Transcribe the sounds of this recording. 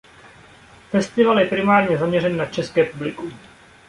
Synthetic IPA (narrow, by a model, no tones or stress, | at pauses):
fɛst̪ɪvaljɛpɾɪmaːɾɲɛzamɲɛrɛnːat͡ʃɛskɛːpublɪku